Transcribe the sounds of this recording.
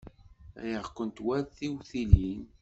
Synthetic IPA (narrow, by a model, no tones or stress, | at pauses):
jəʁkʷənt̪wæðθiwθilin